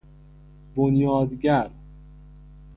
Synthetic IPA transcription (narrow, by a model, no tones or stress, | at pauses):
bonjɒːd̪ɟæɾ